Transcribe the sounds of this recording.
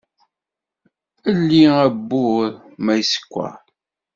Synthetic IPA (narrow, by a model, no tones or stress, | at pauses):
əlːiæbːʊɾmæjsə̥kʷːa̰